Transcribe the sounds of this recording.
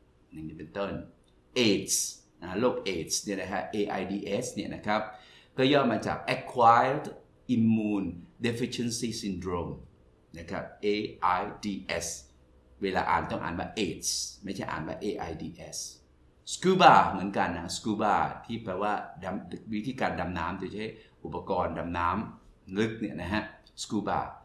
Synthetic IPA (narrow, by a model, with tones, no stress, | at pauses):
na˨˧˩ŋiː˦˥˩pe˧nt̪oː˥˩n | ʔeː˧˩t̪̚s | na˦loː˥˩k̚ʔeː˨˩t̪̚sni˥˩da˦˩kʰa˧ʔeː˧ʔaː˧jdiː˧ʔe˦˥sni˥˩nʔa˦˥kʰɾa˦˥p̚ | kɔː˥˩jɔː˥˩mmaː˧t͡ɕa̰ː˨˩k̚ʔɛ˦˥kʰːwaː˦jld | ʔi˧mːuuː˧nde˦˥fi˧˥t͡ɕʰe˥˨nsiː˥˩si˧ndɾoː˧m | na˦˥kʰa̰˦˥p̚ʔeː˧ʔa˧jdiː˧ʔe˦˥s | weː˧laː˧ʔa̰ː˨˩nt̪ɔ˥˩ŋʔa̰ː˨˩nwaː˥˩ʔeː˨˩t̪̚sma˥˩t͡ɕʰa˥˩jʔa̰ː˨˩nwaː˥˩ʔeː˧ʔaː˧jdiː˧ʔe˦˥s | skuː˦baː˧˩mɯ˨˦ənka˧nːa˦˥˧skuː˦˥˩baː˧˥˩t̪ʰiː˥˩pɾɛː˧waː˥˩da˧mwi˦˥t̪ʰiː˧˦˩kaː˧nda˧mnaː˦˥mdi˧t͡ɕa˦˥ɦa˥˩jʔu˨˩pːa˧kɔː˧nda˧mnaː˦˥mŋɯ˦˥k̚ni˥˩ɐna˦˥ɦʰa˦˥skuː˦ba̰ː˧˩